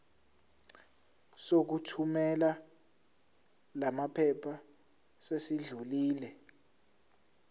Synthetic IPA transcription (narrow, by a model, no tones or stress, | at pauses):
sok̬utʰumɛla | lamapʰɛpʰa | sesiɮuliːlɛ